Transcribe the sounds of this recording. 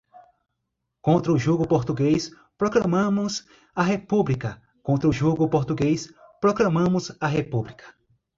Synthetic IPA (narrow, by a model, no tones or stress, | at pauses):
kõnt̪ɾɐʊʒuɡʊpoɾt̪uɡejs | pɾoklɐmɐ̃mʊz | ɐɦepublikɐ | kõnt̪ɾɐʊʒuɡʊpoɾt̪uɡejspɾoklɐ̃mɐ̃mʊzɐɦepublikʰɐ̥